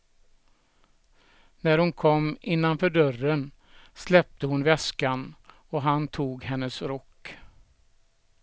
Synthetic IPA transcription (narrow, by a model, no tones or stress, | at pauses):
næɾhʊnkʰɔmːɪnːanfœɖœrːən | slɛp̚t̪əhʊnvɛskan | ɔɦant̪ʰuːɡɦɛnːəsɾɔkː